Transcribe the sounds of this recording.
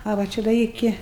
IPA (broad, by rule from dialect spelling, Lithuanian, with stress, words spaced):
ɐ ʋɐ ˈt͡ʃʲɛ dɐ ˈɪkʲɪ